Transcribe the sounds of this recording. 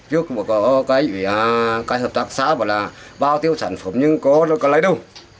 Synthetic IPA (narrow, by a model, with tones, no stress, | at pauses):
t͡ɕu˨˦kŋ͡mmː˨˩kɔ˨˦kaː˨˦ji˨˩˨a˨˩kaː˨˦jhəː˨˩p̚t̪aː˧˩k̚sa̰ː˧˥vɔ̰˧˨jlaː˨˩ | ɓaː˧˩wt̪i˧əwsaː˧˩nfə˧˩mɲɨ˧ŋkɔ˨˦nɔ˨˦kɔ˨˦laː˨˦jɗə˧w